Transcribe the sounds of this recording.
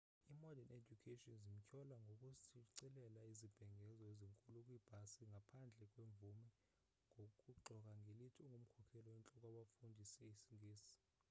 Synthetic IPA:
imɔdaned͡ʒukʰetʼɔnzim̩cʰɔlaŋɡʱokʼusʰiǀilɛlaizib̥ʱɛŋʱɛzɔeziŋkʼulukʼwib̥ʱasiŋɡʱapʰand͡ɮʱɛk̬ʼweɱvumɛ | ŋɡʱokʼuǃʱɔk̬ʼaŋɡʱelitʰiuŋʱum̩kʰɔkʰɛlɔwɛnt͡ɬʼɔk̬ʼwaɓafundʱisɛisiŋɡʱeːsi̥

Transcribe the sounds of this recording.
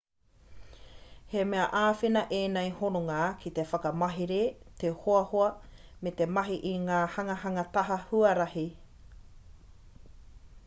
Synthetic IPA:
hemeɐʔaːfinɐʔeːnejhonoŋakʰit̪efɐkɐmɐɦiɾet̪ehoɐhoɐmet̪emɐɦiʔiŋaːhɐŋɐɦɐŋɐt̪ɐɦɐhuɐɾɐhi

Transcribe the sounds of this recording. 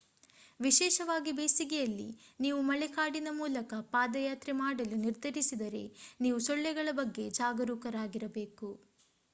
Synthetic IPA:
ʋiʃɛːʃɐʋaːɡibeːsiɡɛjɐlːḭniːʋumɐɭɛkaːɽinɐmuːlɐkɐpaːd̪ɐjaːt̪ɾimaːɽɐluniɾd̪ʱɐɾisid̪ɐɾe̞̰niːʋusɔɭːɛɡɐɭɐbɐɡːe̞d͡ʒaːɡɐɾuːkɐɾaːɡiɾɐbeːku

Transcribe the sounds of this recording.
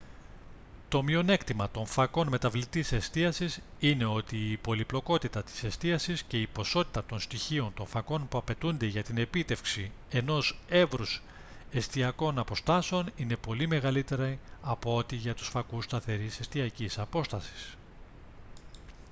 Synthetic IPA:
t̪o̞mio̞ne̞kt̪imɐt̪o̞ɱfɐko̞nme̞t̪ɐvlit̪ise̞st̪iɐsisine̞o̞t̪iːpo̞liplo̞ko̞t̪it̪ɐt̪i̥se̞st̪iɐsisce̞ipo̞so̞t̪i̥t̪ɐt̪o̞nst̪içio̞nt̪o̞ɱfɐko̞npuɐpe̞t̪und̪e̞ʝɐt̪ine̞pit̪e̞fksi | e̞no̞se̞vɾus | e̞st̪iɐko̞nɐpo̞st̪ɐseo̞nine̞po̞lime̞ɣɐlit̪e̞ɾɐɐpoo̞t̪iʝɐt̪u̥sfɐkust̪ɐθe̞ɾise̞st̪iɐcisɐpo̞st̪ɐsi̥s

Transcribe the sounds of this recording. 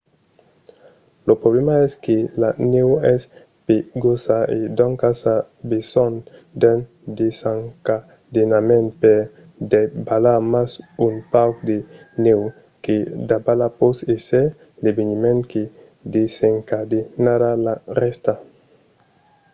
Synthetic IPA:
lopɾoblemaɛskelanewɛs | peɡosaḛd̪ɔ̃ŋkasa | besɔnd̪ɛn | d̪esaŋka | d̪enamɛ̃npɛ | d̪ebalamasunpawkd̪e | new | ked̪abalaposesɛ | lebenimɛ̃nke | d̪eseŋkad̪enadalarɛst̪a

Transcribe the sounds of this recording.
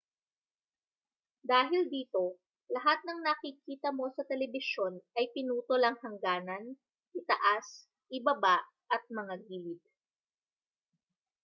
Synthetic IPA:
d̪aːɦɪld̪iːt̪o̞ | lɐɦat̪̚nɐŋnɐkikiːt̪ɐmo̞sɐt̪ɛlɛbɪʃo̞nʔɐjpɪnuːt̪olɐŋhɐŋɡaːnɐn | ʔɪt̪ɐʔas | ʔɪbɐbaʔ | ʔɐt̪̚mɐŋaɡiːlɪd̪̚

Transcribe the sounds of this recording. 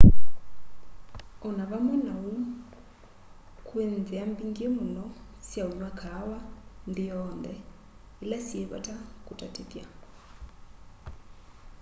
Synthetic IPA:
ɔnaβamwɛnau | kʼwend͡ziambiŋɡemunɔ | sjauɲwakʰawand̪ijɔːnd̪ɛ | ilasieβa̰tʰʼakʼutʼatʰʼet̪ja

